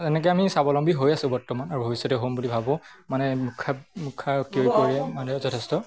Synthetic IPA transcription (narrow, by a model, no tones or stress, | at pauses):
ɛnɛk̬ɔjamisabɔlɔmbʱiɦojasʊ̃bɔɹtɔmanaɹubʱobisːɔtɛɦombulibʱabɔ̃ | manɛmukʰamukʰakiojkoɹiɛmanɛzɔtʰɛstɔ